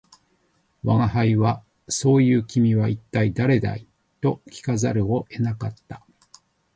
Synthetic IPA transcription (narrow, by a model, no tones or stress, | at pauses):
βaŋaɦaiβa | so̞ːjɯ̟ːkʲimʲiβait̪ːaid̪aɾe̞d̪a̰i | t̪o̞kʲi̥kazaɾɯo̞ʔe̞nakat̪ːa